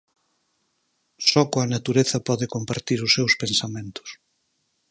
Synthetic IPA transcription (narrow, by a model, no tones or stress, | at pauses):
sɔkoɐnat̪uɾeθɐpɔðɪkompaɾt̪iɾʊsːewspensamẽnt̪ʊ̥s